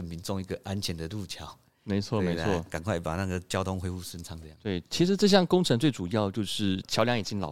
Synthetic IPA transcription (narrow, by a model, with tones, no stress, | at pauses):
ə˨˩nmi˧˦nt͡so˥˧ŋi˧˥ɡə˨ʔa˦˥nt͡ɕʰjɛ˨˧˥nd̪ə˨lu˥˨t͡ɕʰjɑ˨˦ʊ | me˧˥ɪt͡sʰwɔ˥˨e˧˥ɪt͡sʰwɔ˥˩ka˨˩nkʰwa˥˩ɪpa̰˨˩na˥˨ɡə˩t͡ɕjɑ˥ʊt̪ʰʊ˧˥ŋxwe˥ɪu˥˩sə˥˦nt͡sʰɑ˧˥ŋə˧jt̪we˥˩ɪt͡ɕʰi˧˥ʂɻ̩˧˥ʈ͡ʂɤ˥˧ɕ̬jɑ˥˩ŋkʊ˥ŋʈ͡ʂʰɤ˧˥ŋt͡swe˥˩ɪʈ͡ʂu˨˩jɑ˥˧ʊt͡ɕjo˥˧ʊʂɻ̩˥˩t͡ɕʰjɑ˧˥ʊljɑ˧˥ŋi˨˩t͡ɕi˧˥nlɑ̰˨˩